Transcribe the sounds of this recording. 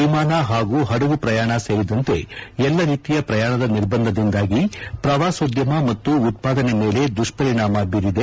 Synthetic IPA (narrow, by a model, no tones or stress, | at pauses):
imaːnɐɦaːɡuːɦɐɽɐɡupɾɐjaːɳɐse̞ːɾid̪ɐnt̪e̞ɛlːɐɾiːt̪ijɐpɾɐjaːɳɐd̪ɐniɾbɐnd̪ʱɐd̪ind̪aːɡipɾɐʋaːsoːd̪jɐmɐmɐt̪ːuːt̪̚paːd̪ɐne̞me̞ːle̞d̪ɾuʂʈpɐɾiɳaːmɐbiɾid̪e